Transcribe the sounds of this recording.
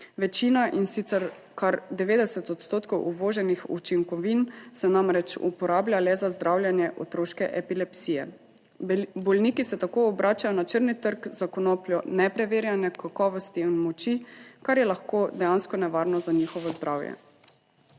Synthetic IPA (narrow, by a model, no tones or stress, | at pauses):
ʋɛt͡ʃiːnaʔinsit̪sɛɾ | kaɾd̪ɛʋeːd̪ɛsɛt̪ɔt̪st̪oːt̪kɔwʔuʋoːʒɛnixṵt͡ʃiŋkɔʋinsɛnamɾɛt͡ʃṵpɔɾaːblʲjalɛzazd̪ɾawlʲjanjɛʔɔt̪ɾoːʃkɛʔɛpilɛpsiːjɛ̰ | bɔlniːkisɛt̪akoɔbɾʔaːt͡ʃajɔnat͡ʃəɾnit̪əɾɡzakɔnopljɔnɛpɾɛʋeːɾjanɛkakɔːʋɔst̪iinmɔt͡ʃikaɾjɛlaxkod̪ɛjanskɔnɛʋaːɾnɔzaɲixɔʋɔzd̪ɾaːwjɛ̰